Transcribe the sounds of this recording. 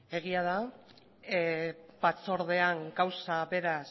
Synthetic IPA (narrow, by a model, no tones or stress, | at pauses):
e̞ɣ̞iaða | bat͡so̞ɾðe̞aŋɡawsaβe̞ɾas